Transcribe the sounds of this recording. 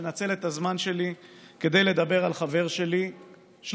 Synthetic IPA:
nat͡se̞le̞t̪azmanʃe̞like̞d̪e̞jle̞d̪abe̞ʁalχave̞ʁʃe̞li | ʃ

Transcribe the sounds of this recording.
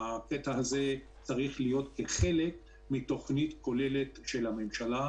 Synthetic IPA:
aket̪aaze | t͡saʁiχlijo̞tkeχe̞le̞k̚ | mit̪o̞χnit̪ko̞le̞le̞t̪ʃe̞lhamemʃala

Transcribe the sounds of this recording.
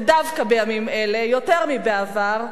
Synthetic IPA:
davkabejamimele̞jo̞te̞ʁmibeavaʁ

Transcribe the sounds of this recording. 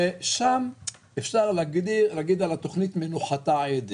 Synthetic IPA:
eʃam | efʃaʁlaɡd̪ilaɡid̪alat̪o̞χnit̪menuχat̪aed̪i

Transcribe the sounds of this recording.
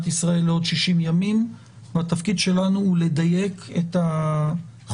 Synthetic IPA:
t̪isʁae̞lːeo̞dʃiʃimjamim | vat̪afkid̪ʃe̞lanuule̞d̪aje̞ket̪a | χ

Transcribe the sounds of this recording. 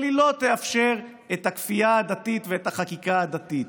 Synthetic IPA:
lilo̞t̪e̞afʃeʁ | et̪hakfiaad̪at̪it̪veet̪haχakikaad̪at̪it̪̚

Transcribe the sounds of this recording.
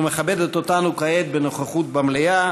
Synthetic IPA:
meχabed̪et̪ot̪anukaet̪̚benoχaχut̪̚bamleja

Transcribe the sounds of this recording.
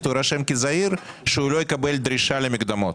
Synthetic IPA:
t̪uɾaʃemkizaiɾ | ʃeulojekabeld̪ɾiʃalemikd̪amo̞t̪

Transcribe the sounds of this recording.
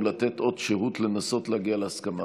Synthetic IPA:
lat̪et̪ʔo̞d̪ʃeʁut̪lenaso̞tlaːɡialehaskama

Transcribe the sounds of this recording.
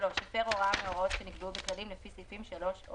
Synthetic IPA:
lo̞ʃfeʁo̞ʁameoʁotʃeniɡbubeklalimlefisifimʃalo̞ʃo

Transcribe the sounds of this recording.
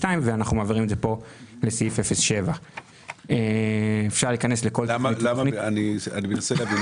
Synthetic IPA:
taimveanaχnumeaviʁimedzepo̞lesifefesʃe̞va | eefʃaʁliːkanesleko̞ltanianianimenaseleavin

